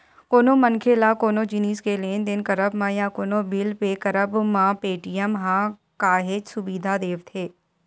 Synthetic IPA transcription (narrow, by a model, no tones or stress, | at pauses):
koːnõːmənkʰelaːkoːnõːd͡ʒɪniːskelend̪ɪnkɐɾəbmãːjãkoːnobɪlpekɐɾəbmãːpeːʈijəmɦãː | kaːɦed͡ʒsʊbiːd̪ʱad̪eːʋt̪ʰeː